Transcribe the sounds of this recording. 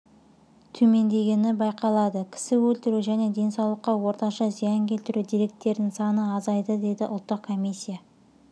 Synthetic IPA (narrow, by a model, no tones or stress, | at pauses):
t̪ʰɵme̞nd̪e̞ɡʲe̞nɪbɑjqɑlˠɑd̪əkʲʰɪ̥sɪwɵlt̪ɪɾuʒæne̞d̪e̞nsɑwlˠəqːɑwo̞ɾt̪ɑʃɑzijɑŋkʲʰe̞lt̪ɪɾud̪ijɾe̞k̚t̪ːe̞ɾd̪ɪŋsɑnəɑzɑjd̪əd̪e̞jd̪ɪʔʊ̰lˠt̪ːəqkʰːo̞mʲijsʲːija